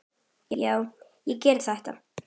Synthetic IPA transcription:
jɛjaːw | jɛcɛːɾt̪θaht̪a̰

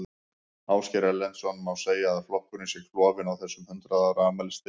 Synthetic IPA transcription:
awscɛɾɛlːɛnt̪sɔnmawseːjaːðflɔhkʏɾisjɛɣflɔːvɪnawθɛsːʏmhʏnt̪ɾaðaːwɾaamɛlɪst̪ɪ

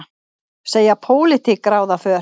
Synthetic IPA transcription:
seːjapʰoːwlɪt̪ʰɪkɾaːwðafœː

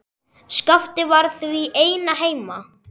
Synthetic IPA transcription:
skaft̪ɪvaɾθviʔeːjnaɦeːjma

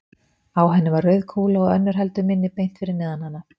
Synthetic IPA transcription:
aːwɦɛnːɪvaɾœɥðkʰuːlaɔɣœ̰nːʏɾ̥ɦɛlt̪ʏmɪnːɪpejn̥t̪fɪɾɪɾnɛːðanhanːa

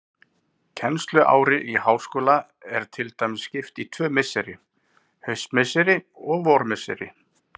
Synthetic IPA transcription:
cʰɛnst̪lʏʔa̰ːwɾɪʔihaːwskoːla | ɛɾ̥t̪ʰɪlt̪ajmsːcɪft̪it̪ʰvœːmɪsːɛɾɪ | hœɥst̪mɪsɛɾɪ | ɔɣvɔɾmɪsɛɾɪ

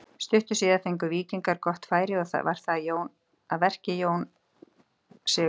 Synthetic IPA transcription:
st̪ʏht̪ʏsiːðaθejŋkʏviːciŋkaɾ̥kɔht̪faːjɾɪɔθa̰va̰ɾ̥θajoːwn | aðvɛr̥cɪjoːwn | sɛ

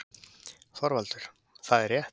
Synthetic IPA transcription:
θɔɾvalt̪ʏɾ̥ | θaðɛrjɛht̪

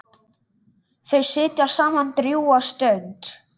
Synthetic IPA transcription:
θejsɪːt̪jaɾ̥saːmant̪ɾjuːast̪œɥnt̪

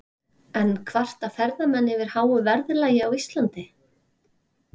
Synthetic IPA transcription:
ɛnkʰvar̥t̪afɛɾðamɛnːɪvɪɾ̥haːwʏvɛɾðlaːjɪawist̪lant̪ɪ

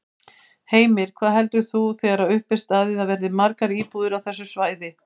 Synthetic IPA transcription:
heːjmɪɾ̥kʰv̥aːðɦɛlt̪ʏθuθɛːɣaɾawʏhpvɪst̪aːðɪðavɛɾðɪmaɾkaɾiːpuðɪɾawθɛsːʏsvaːjðɪ

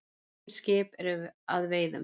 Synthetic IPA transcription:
scɪːpɛɾʏvaðveːjðʏ̰m

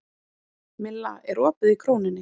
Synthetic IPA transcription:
mɪlːa̰ɛɾɔːpɪðikʰɾoːwnɪnːɪ

